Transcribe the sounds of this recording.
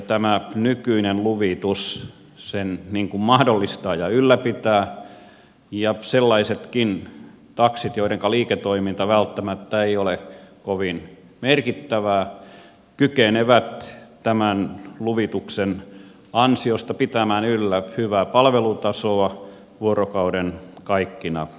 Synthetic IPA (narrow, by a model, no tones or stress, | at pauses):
t̪æmænykyinenluʋit̪us | senniŋkummɑhdolːist̪ɑːjɑylːæpit̪æː | jɑselːɑiset̪kin | t̪ɑksit̪joiɾeŋkɑliːket̪oimint̪ɑʋælt̪ːæmæt̪ːæeiolekoʋin | merkit̪ːæʋæː | kykeneʋæt̪t̪æmænluʋit̪uksen | ɑnsiost̪ɑpit̪æmæːnylːæhyʋæːpɑlʋelut̪ɑsoɑ | ʋuorokɑudenkɑikːinɑ̰